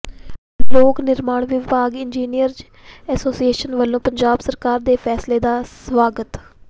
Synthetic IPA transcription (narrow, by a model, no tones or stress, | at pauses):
loːknɪɾmaːɳʋɪbaːɡɪnd͡ʒiːnijəɾd͡ʒ | ɛːsoːsieːʃənʋəlːõːpəɲd͡ʒaːbsəɾkaːɾd̪eːpʰɛːsleːd̪aːsʋaːɡət̪